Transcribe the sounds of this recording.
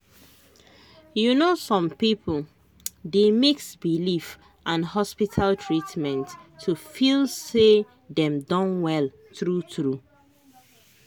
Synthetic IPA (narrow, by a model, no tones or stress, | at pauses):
junosɔ̃mpipʰl | demiksbilif | ʔãnhɔspitʰaltʰɹitmɛ̃ntʰːufilˠse | dɛ̃mdɔ̃nwɛl | tɹutɹu